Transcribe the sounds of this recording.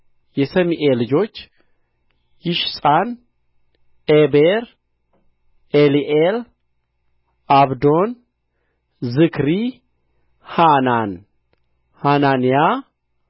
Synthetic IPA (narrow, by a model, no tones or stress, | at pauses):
jɛsəmiʔelɨd͡ʒo̞t͡ʃː | jɪʃsʼan | ʔebeɾ | eliʔel | ʔaβd̪o̞n | zɨkʰɾi | hanan | hananija